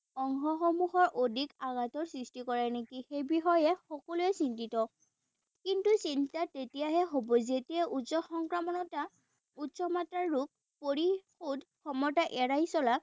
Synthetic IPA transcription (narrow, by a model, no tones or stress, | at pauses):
ɔŋxɔxɔmuxɔɹʔodʱikaɡatɔɹsɹistikɔɹɛnekixejbixɔjɛxɔkɔluɛsintitɔ | kintusintatetijaɦɛɦobɔzetiɛʔutsɔxɔŋkɹamɔnɔta | utsɔmatɹaɹːuk̚ | poɹixudkʰɔmɔtaʔɛɹajsɔlak̚